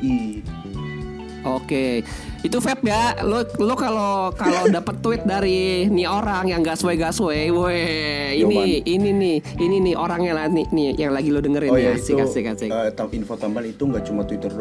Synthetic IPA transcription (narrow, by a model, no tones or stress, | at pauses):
i | ʔoke | it̪ufɛp̚jalolokalokalodapət̪ːuwɪt̪̚daɾinioɾaŋjaŋɡaʔsueɡaʔsuejeiniininɪh | ininɪhʔoɾaŋɲalahninɪjaŋlaɡilodəŋəranasɪkasɪhkasɪət̪ainfot̪ambanit̪uŋɡaʔt͡ʃumat̪wit̪ərl